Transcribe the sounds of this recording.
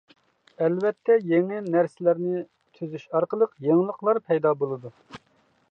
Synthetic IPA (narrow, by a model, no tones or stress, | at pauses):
ɛlvɛt̪ʰːɛjeŋɪnæɾsɪlæɾnɪ | t̪ʰyzyʃɑɾqəlˠəqjeŋlˠəqlˠɑɾpʰɛjd̪ɑbolˠɨd̪u